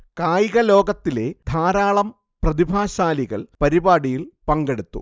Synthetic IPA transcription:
kaːjɣɐlo̞ːɡɐt̪ːile̞d̪ʱaːɾaːɭɐm | prɐðibʱaːɕaːliɣɐ̰ɭpɐɾibaːɽijilpɐŋɡe̞ɽut̪ːṵ

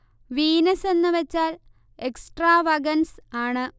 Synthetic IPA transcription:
ʋiːnɐse̞nːɨʋet͡ɕːaːl | eksʈraːʋɐɡɐnsaːɳɨ

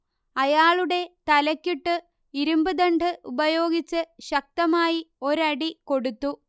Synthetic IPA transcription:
ɐjaːɭuɽe̞t̪ɐlɐkʲːiʈːɨ | iɾumbɨd̪ɐɳɖɨʔubɐjo̞ːɡit͡ɕːɨɕɐk̚t̪ɐmaːjio̞ɾɐɽiko̞ɽut̪ːu

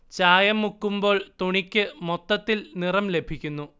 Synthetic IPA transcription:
t͡ɕaːjɐmːukːumbo̞ːɭt̪uɳikʲːɨmot̪ːɐt̪ːilnirɐmle̞bʱikʲːunːu

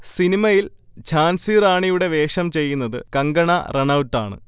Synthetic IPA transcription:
sinimɐjil | t͡ɕʰaːnsiɾaːɳijuɽe̞ʋe̞ːʂɐmt͡ɕe̞jːunːɐðɨ̰kɐŋɡɐɳɐreɳɐwtːa̰ːɳɨ̰

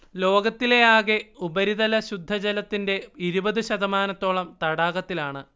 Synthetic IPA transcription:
lo̞ːɡɐt̪ːile̞jaːɣeubɐɾiðɐlɐɕud̪ʱːɐd͡ʑɐlɐt̪ːinde̞iɾubɐðuɕɐðɐmaːnɐt̪ːo̞ːɭɐmt̪ɐɽaːɣɐt̪ːilaːɳɨ

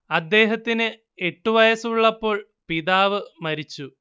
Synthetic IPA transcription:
ɐd̪ːe̞ːɦɐt̪ːinɨ | e̞ʈːuʋɐjɐsuɭːɐpːo̞ːɭ | piðaːʋɨmɐɾit͡ɕːu

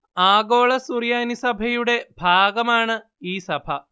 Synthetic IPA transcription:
aːɡoːɭɐsurjaːnisɐbʱɐjuɽe̞b̥ʱaːɡɐmaːɳɨ | iːsɐbʱɐ

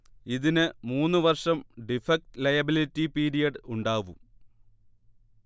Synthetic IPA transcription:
iðinɨmuːnːɨʋɐrʂɐmɖifɐk̚tlɐjɐbilitːipiːɾijɐɖɨuɳɖaːʋum

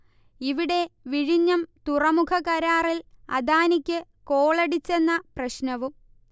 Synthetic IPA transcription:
iʋiɽe̞ʋiɻiɲːɐmt̪urɐmukʰɐkɐɾaːrilɐ̰d̪aːnikʲːɨ | ko̞ːɭɐɽit͡ɕːe̞nːɐprɐɕnɐʋum

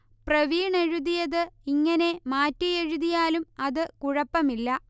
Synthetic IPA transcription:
prɐʋiːɳe̞ɻuðijɐðɨiŋːɐne̞maːtːijeɻuðijaːlumɐðɨkuɻɐpːɐmilːɐ

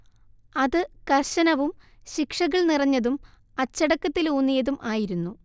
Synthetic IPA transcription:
ɐðɨkɐrɕɐnɐʋum | ɕikʂɐɣɐɭnirɐɲːɐðum | ɐt͡ɕːɐɽɐkːɐt̪ːiluːnːijɐðumʔaːjiɾunːu

